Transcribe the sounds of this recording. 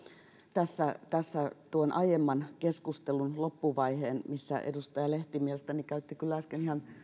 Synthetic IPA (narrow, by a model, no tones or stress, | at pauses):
t̪æsːæt̪æsːæt̪uonʔɑjemːɑnkeskust̪elunlopːuʋɑiheːnmisːæ̰ʔḛdust̪ɑjɑleht̪imielest̪ænikæyt̪ːikylːæskenihɑn